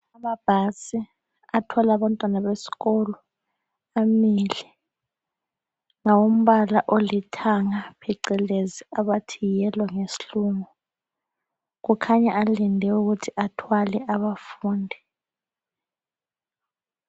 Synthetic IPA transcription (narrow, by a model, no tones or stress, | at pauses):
amab̥ʱasi | atʰɔlaɓantʼwanaɓesi̥kɔlɔ | amilɛ | ŋawom̩ɓalaʔolitʰaŋapʰɛǀɛleziaɓatʰijɛlwaŋesi̥ɬuːŋɔ | k̬ukʰaɲaʔalindʱɛuk̬utʰiʔatʰwalɛʔaɓafuːndʱi